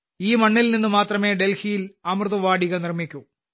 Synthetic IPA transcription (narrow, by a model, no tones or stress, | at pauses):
iːmɐɳːilninːɨmaːt̪rɐme̞ːɖelhijilɐmrðuʋaːɽiɣɐnirmikʲːu